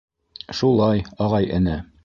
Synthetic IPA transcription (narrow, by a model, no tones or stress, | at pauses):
ʃulˠɑjɒʁɑjʔɘ̆nɘ